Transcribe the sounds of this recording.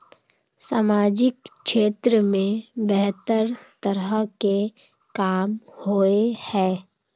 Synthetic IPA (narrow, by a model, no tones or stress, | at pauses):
saːmaːd͡ʒɪkʃeːt̪ɾəmẽbɛɦt̪əɾt̪əɾəke | kaːmhoehɛ̃ː